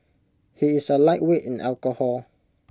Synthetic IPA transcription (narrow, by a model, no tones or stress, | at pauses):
hiːsəlaɪʔweʔĩnalkəhɔl